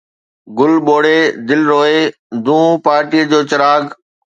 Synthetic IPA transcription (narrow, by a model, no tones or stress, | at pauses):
ɡʊlɓoːɽed̪ɪlɾoːe | d̪ũːpaːɾʈiːəd͡ʑoːt͡ɕɐɾaːɡ